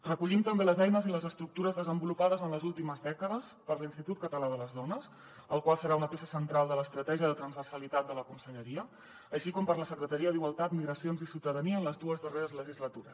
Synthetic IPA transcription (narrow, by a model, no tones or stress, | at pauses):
rəkuʎimt̪əmbeləzɛjnəziləzəst̪ɾuk̚t̪uɾəzðəzəmbulupaðəzənləzulˠt̪iməzðɛkəðəspəɾlinst̪it̪ut̪̚kət̪əlaðələzðɔnəs | əlˠkwalˠsəɾaunəpesəsənt̪ɾalˠd̪ələːst̪ɾət̪ɛʒiəðət̪ɾənzβərsəlit̪at̪̚d̪ələkunsəʎəɾiəː | ʃikɔmpəɾləsəkɾət̪əɾiəðiɣwalˠt̪at̪miɣɾəsionzisiwt̪əðəniəːnləzðuəzðəreɾəzləʒizlət̪uɾəs